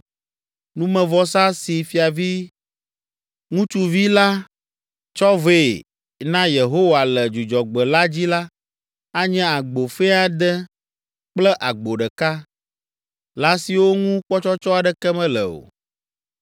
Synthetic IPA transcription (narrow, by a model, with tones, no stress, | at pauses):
nũ˦mɛ̃˨vɔ˦sa˦si˨fi˨a˨vi˦ | ŋũ˦t͡ʃu˦vi˦la˦ | t͡ʃɔ˦ve˦˨ | nã˦je˨ɦo˦wa˨lɛ˨d͡ʒu˨d͡ʒɔ˨ɡ͡bə˨la˦d͡ʑi˦la˦ | a˦ɲɛ̃˦a˨ɡ͡bo˨fɛ˦a˨d̪ɛ˦ | k͡plɛ˦ʔa˨ɡ͡bo˨ɖɛ˨ka˦ | la˦si˨wo˦ŋũ˦k͡pɔ˦t͡ʃɔ˦t͡ʃɔ˦a˨ɖɛ˦kɛ˦mɛ̃˦lɛ̰˨o̰˨